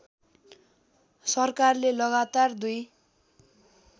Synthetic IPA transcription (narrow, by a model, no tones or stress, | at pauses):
sʌrkarlelʌɣat̪ard̪uj